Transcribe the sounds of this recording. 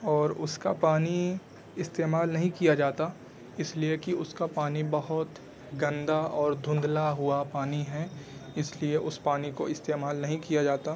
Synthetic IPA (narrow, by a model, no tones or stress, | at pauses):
ɔːɾʊskapaːni | ɪst̪eːmaːlnɐɦĩkijad͡ʒaːt̪a | ɪsliekiʊskapaːnibɐɦʊt̪ | ɡɐ̃nd̪aɔːɾd̪ʱʊ̃nd̪laɦʊapaːniɦɛɪslieʔʊspaːnikoɪst̪eːmaːlnɐɦĩkijad͡ʒaːt̪a